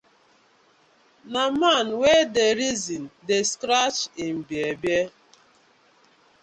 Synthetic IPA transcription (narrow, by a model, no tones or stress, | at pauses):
namanwedeɾizindeskɾat͡ʃim̩bjebje